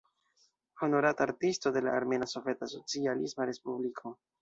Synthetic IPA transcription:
hono̞ɾataɾtisto̞de̞la̰ʔːɾme̞naso̞vetasot͡sialismaɾe̞spublikʰo̞

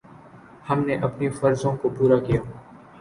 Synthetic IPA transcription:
hɐmneʔɐpnifɐɾzõkopuːɾakijaː

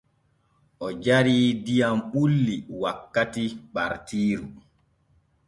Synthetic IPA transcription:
ʔɔd͡ʒaɾiːdijamɓulːiwakːatiɓaɾtiːɾu

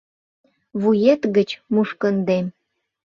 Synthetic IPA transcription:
βujet̪ɣə̆t͡ɕmuʃkənd̪em

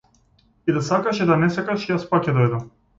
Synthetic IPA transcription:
id̪asakaʃid̪anɛsakaʃijaspakcʲɛd̪ɔjd̪am

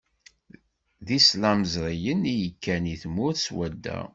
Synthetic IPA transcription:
ðislæməzɾˤijənijəkʰːæniθmːʊɾθswæd̪ːæ̰

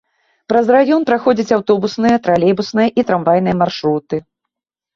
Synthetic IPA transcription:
pɾɐzrajɔnpɾaxɔd͡zʲɐt͡sʲawt̪ɔbusnɨjɐt̪ɾalʲɛbusnɨjɐʔit̪ɾamvajnɨjɐmarʂɾut̪ɨ

